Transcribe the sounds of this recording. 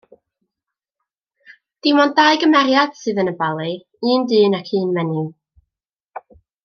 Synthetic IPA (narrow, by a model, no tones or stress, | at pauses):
d̥ɪmɔndaɨɡəmɛɾjad̥sɨːðənəbalˠi | iːndɨːnakʰɨːnmɛnɪ